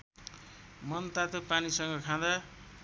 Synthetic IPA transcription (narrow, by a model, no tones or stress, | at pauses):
mʌnt̪at̪opanisʌŋɡʌkʰãd̪a